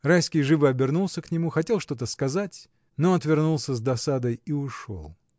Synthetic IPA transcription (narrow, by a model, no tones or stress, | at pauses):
rajskʲijʐɨvɨɐbʲɪrnulˠsʲəknʲɪmuxɐtʲe̞lˠʂt̪o̞t̪əskɐzatʲ | noɐt̪vʲɪrnulˠsʲəzd̪ɐsad̪əjiʊʂo̰lˠ